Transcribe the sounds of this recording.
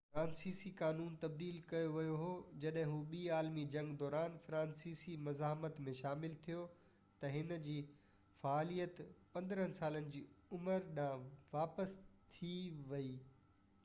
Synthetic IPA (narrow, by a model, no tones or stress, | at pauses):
fɾãːnsiːsikaːnuːnt̪ɐb̚d̪iːlkɐjoʋɐjoɦoːd͡ʑɐɗɦɪ̃ɦuɓiːaːlmid͡ʑɐ̃ŋɡd̪ɔːɾaːnfɾãːnsiːsimɐzaːɦmət̪mẽʃaːmɪlt̪ʰijo | t̪ɐɦɪnd͡ʑiː | faːlijət̪pɐ̃nd̪ɾənɪ̆saːlənɪ̆d͡ʑiːʊməɾɗãʋaːpəst̪ʰiʋɐiː